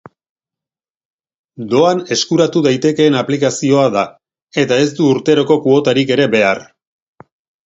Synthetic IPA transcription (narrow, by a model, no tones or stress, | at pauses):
d̪o̞ane̞skuɾat̪uðajt̪e̞ke̞ːnaplikasio̞aða | e̞t̪ae̞sd̪uːɾt̪e̞ɾo̞ko̞kuo̞t̪aɾike̞ɾe̞βe̞ar